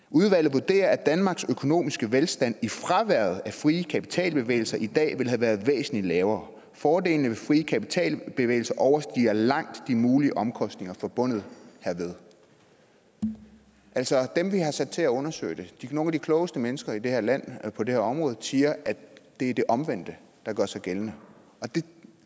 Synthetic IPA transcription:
uð̞ˠʋæl̰ð̩ˠʋuɐd̥e̝̰ːɐæd̥ænmɑ̈ːɡ̥søkʰo̝no̝̰ːmisɡ̥əʋelsd̥æn̰ifʁɑʋæɐ̰ð̩ˠæfʁiːəkʰæpʰi̥t͡sʰɛ̰ːlb̥e̝ʋḛːɪl̩sɐʔid̥ɛ̰ːʋe̝lɦæʋæːɐðˠʋḛːsn̩lilɛːʊɐː | fɒːde̝̰ːlnəʋe̝fʁiːəkʰæpi̥t͡sʰɛ̰ːlb̥e̝ʋḛːɪl̩sɐʔɒʊɐsd̥ḭːɐlɑ̈ŋ̰d̥ːimuːliəʔɒ̽mkʰɒ̽sd̥ne̝ŋɐfɒ̽b̥ɔ̽n̰ð̞̩ˠhæɐ̰ʋe̝ð̞ˠ | ʔælsɒ̽d̥emʋiɦɑ̈sæd̥̚t͡sʰe̝æɔ̽nɐsø̰ɪd̥e̝d̥ino̝ːnæd̥ikʰlɔ̽ːʊəsd̥əmenəsɡ̥ɐid̥e̝hæɐlæn̰pʰɒ̽de̝hæɐɒ̽mʁɔ̽ːð̩ˠsiːɐʔæd̥e̝æɐd̥e̝ʔɒ̽mʋen̰d̥ə | d̥ɑ̈ɡ̥ɶɐsɑ̈ɪɡ̥elnə | ɒ̽d̥e̝

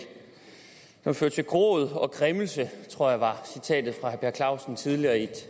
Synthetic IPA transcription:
d̥ɒmføɐ̰̥t͡sʰe̝ɡ̥ʁo̰ːð̞ˠɒ̽ɡ̥ʁɛmlsət͡sʰʁo̝ɐ̰jɑ̈ʋɑ̈sit͡sʰɛ̰ːd̥ð̩ˠfʁɑ̈hæb̥eɐkʰlɑ̈ʊsn̩t͡sʰið̞ˠliɐːid̥

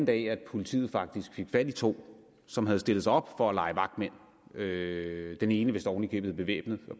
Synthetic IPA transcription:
n̩d̥ɛ̰æd̥pʰo̝lit͡sʰḭːð̞̩ˠfɑ̈ɡ̥̚d̥isɡ̥fe̝ɡ̥fæd̥it͡sʰo̝̰ː | sɒ̽mɦæð̩ˠsd̥elð̩ˠsɑ̈ɒ̽b̥fɒ̽ælɑ̈ɪʋɑ̈ɡ̥d̥men̰ | ød̥ene̝ːnəʋe̝sd̥ɒʊnikʰø̰b̥̩eb̥e̝ʋḛːb̥nð̩ˠ

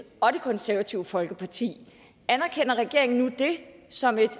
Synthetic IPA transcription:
ɒ̽ɾe̝kʰɒ̽nsæɐʋæt͡sʰiʊəfɒ̽lɡ̥əpʰɑ̈t͡sʰḭː | ænæɐkʰen̰ɐʁɛɡ̥e̝ɐ̰eŋn̩nud̥e̝sɒ̽me̝d̥

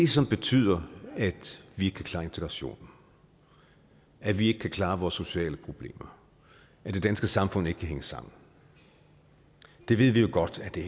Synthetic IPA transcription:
d̥e̝sɒ̽mb̥e̝t͡sʰy̰ð̞̰ˠɐæd̥ʋieɡə̥kʰækʰlɑ̈ːe̝nt͡sʰeɡ̥ʁɑɕo̝̰ːn̩ | ʔæʋie̝ɡ̥ə̥kʰækʰlɑ̈ːʋɒːsːo̝ɕɛ̰ːləpʰʁo̝b̥le̝̰ːmɐ | ʔæd̥e̝d̥ænsɡ̥əsɑ̈mfɔ̽n̰ˠeɡ̥kʰæɦeŋəsɑ̈m̰n̩ | d̥e̝ʋe̝ð̰ˠʋijo̝ɡ̥ɒ̽d̥æd̥e

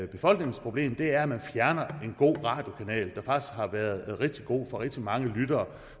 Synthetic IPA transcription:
b̥e̝fɒ̽l̰ɡ̥ne̝ŋ̩spʰʁo̝b̥le̝̰ːmd̥e̝æɐæmænfjæɐnɐe̝nɡ̥o̝̰ːʁɑ̰̈ːd̥jo̝kʰænɛ̰ːld̥ɑ̈fɑ̈ɡ̥i̥sd̥hɑ̈ʋæːɐð̞̩ˠʁɛɡ̥̚d̥iɡ̥o̝̰ːfɒ̈ʁeɡ̥d̥imɑ̈ŋəlyd̥ɐː

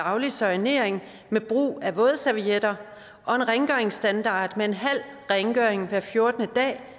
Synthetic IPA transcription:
ɑ̈ʊlisɒine̝̰ɐ̰eŋ | meb̥ʁṵːæʋɔ̽ːð̞̩ˠsæʋied̥ɐ | ʔɒ̽e̝nʁeŋɡ̥øɐeŋsd̥ænd̥ɑ̰̈ːd̥mee̝nɦæl̰ʁeŋɡ̥øɐeŋʋæɐ̰fjo̝ɐd̥ənəd̥ɛ̰ː

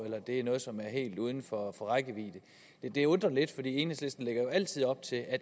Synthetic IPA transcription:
elɐd̥e̝æɐnɔ̽ːðˠsɒ̽mæɐɦe̝̰ːld̥uːð̞ˠn̩fɒfɒ̽ʁaɡ̥əʋḭːd̥ə | d̥ed̥e̝ɔ̽nd̥ʁɐle̝d̥fɒd̥ḭːe̝ːnhesle̝sd̥n̩leɡ̥ɐjoæl̰t͡sʰið̞̰ˠɒ̽b̥̚t͡sʰe̝læ

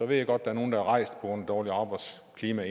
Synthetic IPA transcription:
ɒ̽ʋe̝̰jæɡ̥ɒ̽d̥̚d̥ææɐno̝ːn̩d̥ææʁɑ̈ɪsd̥̚pʰɒɡ̥ɔn̰d̥ɒːliɑ̈ːb̥ɑ̈ɪd̥s | kʰliːmæe

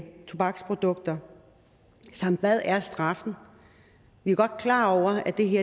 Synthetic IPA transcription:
t͡sʰub̥ɑ̈ɡ̥spʰʁo̝d̥ɔ̽ɡ̥̚d̥ɐ | sɑ̈m̰d̥ʋæð̰ˠæɐsd̥ʁɑ̈fn̩ | ʋiæɡ̥ɒ̽d̥̚kʰlɑ̰̈ːɒʊ̰ɐæd̥e̝ɦe̝ɐ

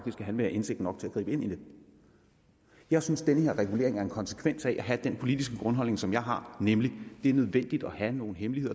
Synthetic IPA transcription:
ɑɡ̥d̥isɡ̥æɦænʋeɐʔe̝nseɡ̥̚dn̩ːɒ̽ɡ̥̚t͡sʰe̝læ̥ʁḭːb̥əe̝nʔine̝ð̥ˠ | jɑ̈ɪsynsd̥enəhe̝ɐ̰ʁɛɡ̥ule̝̰ɐ̰e̝ŋæɐe̝nkʰɒ̽nsə̥kʰʋen̰sæʔæɦæd̥enpʰo̝lid̥isɡ̥əɡ̥ʁɔ̽nɦɒ̽l̰ne̝ŋsɒ̽mjɑ̈ɪɦɑ̈nemlid̥e̝æɐnøð̞ˠʋen̰d̥id̥ɒhæno̝ːn̩ɦemlihe̝ð̰ˠ

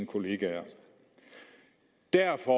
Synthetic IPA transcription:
nkʰo̝le̝ːɡ̥æɐ | d̥æɐfɒ

